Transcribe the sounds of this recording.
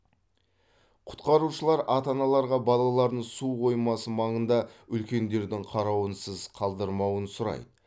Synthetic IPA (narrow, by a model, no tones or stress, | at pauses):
qʰʊ̥t̪qɑɾuʃəlˠɑɾɑt̪ɑnɑlˠɑɾʁɑbɑlˠɑlˠɑɾd̪əɴsuqo̞jmɑsəmɑɴənd̪ɑʏlkʲe̞nd̪e̞ɾd̪ɪŋqʰɑɾɑwənsəzqʰɑlˠd̪əɾmɑwənsʊɾɑ̰jd̪ə